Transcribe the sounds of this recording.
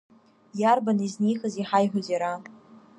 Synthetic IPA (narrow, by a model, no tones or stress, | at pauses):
jarbaniznijxəziħajħʷʊzaɾa